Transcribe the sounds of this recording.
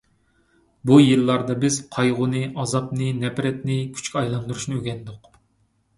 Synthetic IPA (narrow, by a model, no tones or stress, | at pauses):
bujɨlːɑɾd̪ɑbɪz̥qʰɑjʁʊnɨʔɑzɑpnɨnɛpɾɛt̪nɪkʲʰy̥t͡ʃkʲɑjlˠɑnd̪uɾuʃnɨøɡʲɛnd̪ʊq